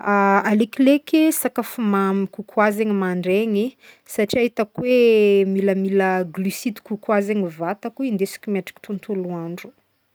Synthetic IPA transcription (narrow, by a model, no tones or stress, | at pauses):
aalekilekesakafumamikukʰwazeŋimaɳɖ͡ʐeɲi | saʈ͡ʂiaɦit̪akwemiləmiləɡlysid̪i̥kukwazeŋivat̪akuind̪esi̥kʲumaʈ͡ʂi̥kt̪unt̪uluaɳɖ͡ʐu̥